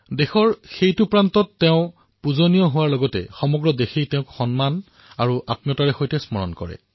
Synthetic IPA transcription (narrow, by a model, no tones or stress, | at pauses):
dexɔɹxejtupɹantɔtːeʊ̃ | puzonijɔɦʊwaɹlɔɡɔtɛ̰xɔmɔɡɹɔdexijteʊ̃kxɔnman | aɹuʔa̰p̚nijɔtaɹɛxojtɛsmɔɹɔ̰nkɔ̰ɹɛ̰